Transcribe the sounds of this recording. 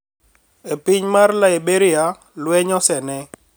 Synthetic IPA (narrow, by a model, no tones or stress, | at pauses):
epɪɲmarlaebeɾɪja | lwɛɲɔsɛnɛ